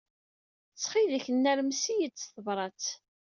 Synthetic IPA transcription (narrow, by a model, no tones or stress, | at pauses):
t͡sːχiðəçənːæɾmsijət͡sːθəvɾˤɑt͡s